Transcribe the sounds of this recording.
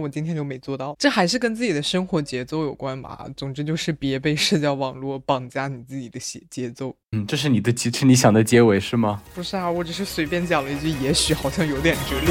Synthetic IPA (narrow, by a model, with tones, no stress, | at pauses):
wɔ˨˩t͡ɕi˥nt̪ʰjɛ˥nt͡ɕjo˥˩ʊme˧˥ɪt͡swɔ˥˧t̪ɑ˥˩ʊʈ͡ʂɤ˥˩xa˧˥ɪʂɻ̩˥˩k̬ə˥nt͡sɹ̩˥˩t͡ɕi˨˩ə˦ʂɤ˥ŋxwɔ˧˥t͡ɕjɛ˧˥t͡so˥˩ʊjo˨˩ʊkwa˥nbɐ̰˨˩t͡sʊ˨˩ŋʈ͡ʂɻ̩˥t͡ɕjo˥˧ʊʂɻ̩˥˩pjɛ˧˥pe˥˧ɪʂ̩˥˧t͡ɕjɑ˥˩ʊwɑ˨˩ŋlwɔ˥˩˥pɑ˨˩ŋt͡ɕja˥ni˨˩t͡sɹ̩˥˩t͡ɕi˨˩d̪ə˦ɕɛ˧˥t͡ɕjɛ˧˥t͡so˥˧ʊnn̩˥˩ʈ͡ʂɤ˥˧ʂ̬ɻ̩˥˩ni˨˩d̪ə˦t͡ɕi˧˥ʂ̩ʰ˥˩ni˧˥ɕjɑ˨˩ŋd̪ə˦t͡ɕjɛ˥we˧˥ɪʂɻ̩˥˩mɐ˩pu˧˥ʂɻ̩˥˩a˨˩xwɔ˥˩ʈ͡ʂɤ˨˩ʂɻ̩˥˩swe˧˥ɪpjɛ˥˩nt͡ɕjɑ˨˩ŋlə˦˥i˥˧t͡ɕy˥˩jɛ˧˥ɕy˧˥xɑ˨˩ʊɕjɑ˥˩ŋjo˧˥ʊt̪jɛ˨˩nʈ͡ʂ̩˧˥li˥˩